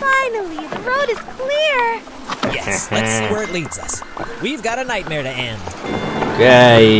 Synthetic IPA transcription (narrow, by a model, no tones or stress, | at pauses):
fãɪnl̩ˠiðɨɹoʊɾɨz̥kʰl̥ɪɹ | jɛ̰slɨtswɛɹɨtˡlidzʌswivɡɑɾɨnaɪt̚mɛɹɾɨɛ̃nd̥ke